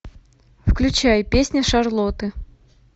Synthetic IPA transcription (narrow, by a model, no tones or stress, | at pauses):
fklʲʉt͡ɕajpʲesʲnʲəʂarlˠot̪ɨ